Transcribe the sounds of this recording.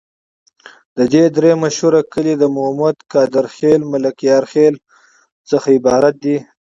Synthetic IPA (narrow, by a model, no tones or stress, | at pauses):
d̪̥əd̪ed̪ɾemaʃhuɾakəlid̪əmʊhmad̪kɑːd̪ɪɾxelmalakjɑːɾxel | t͡səxaɪbɑːɾat̪̚d̪i